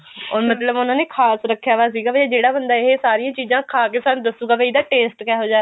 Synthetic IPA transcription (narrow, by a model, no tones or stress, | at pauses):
ɔːɾmət̪ləbʊnãːneːkʰaːsɾəkʰːjaːʋaːs̬iːɡaːbəd͡ʒeːɽaːbənd̪aːɪɦesaːɾijãːt͡ʃiːzãːkʰaːkeːsaːnũd̪əsuːɡaːbeid̪aːʈeːsʈkɛːɦoːd͡ʒaː